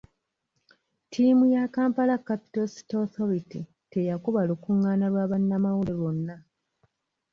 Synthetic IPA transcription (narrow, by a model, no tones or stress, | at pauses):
tʰiːmujakaːmpalakːapi̥tosi̥toθo̞ɾiti | te̞jakuβalukuŋːaːnalwaːβanːamawuleβo̞nːa